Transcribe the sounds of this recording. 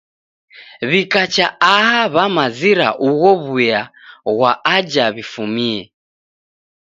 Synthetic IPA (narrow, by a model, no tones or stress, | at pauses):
βikat͡ʃaaɦaβamaziɾa̰ʔuɣɔβujaɣwaad͡ʒaβifumiɛ